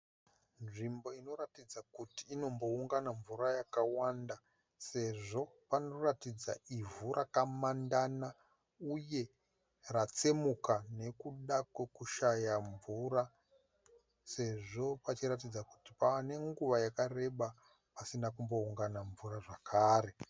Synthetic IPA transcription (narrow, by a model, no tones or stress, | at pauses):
nʐimbo̞ino̞ratid͡zakutiːno̞mbo̞uŋɡanaɱvurajakawanda | se̞ʐo̞pano̞ratid͡za̰ivuɾʔakamandana | uje̞ | rat͡semukane̞kuɗakwe̞kuʃajaɱvuɾa | se̞ʐo̞pat͡ʃiɾat̬id͡zaku̥ti̥paane̞ŋɡuʋajakare̞ɓa | pasinakumbo̞uŋɡanaɱvuraʐakʰaːɾe̞